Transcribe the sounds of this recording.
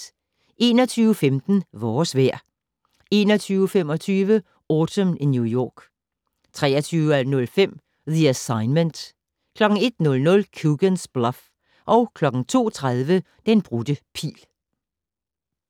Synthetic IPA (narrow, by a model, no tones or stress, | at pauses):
ʔe̝̰ːnɒt͡sʰyːʊəfemd̥n̩ʋɒːsʋæɐ̰ | e̝ːnɒt͡sʰyːʊəfem̰ɒ̽t͡sʰyːʋə | ɔːt͡sʰəminjujɒ̰ːɡ̥ | t͡sʰʁɛ̰ːɐt͡sʰyːʊəænɔ̽lfem̰ | ðiæsɑ̈ɪnmənd̥ | kʰlɒ̽ɡ̥ŋ̩e̝d̥nɔ̽lnɔ̽lkʰjuɡ̥ənsb̥lɒf | ʔɒ̽ʊkʰlɒ̽ɡ̥ŋ̩t͡sʰo̝̰ːt͡sʰʁað̞ˠʋə | d̥enb̥ʁud̥əpʰḭːl